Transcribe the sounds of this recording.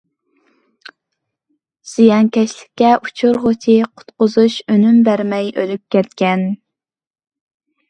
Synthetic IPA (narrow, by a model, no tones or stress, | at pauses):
z̥ijɑŋkʲɛʃlɪ̥kʲːɛʔut͡ʃʰʊɾʁot͡ʃʰiqʰʊ̥t̪qʊzuʃønymbæɾmɛjʔølyp̚kʲɛt̪kʲɛn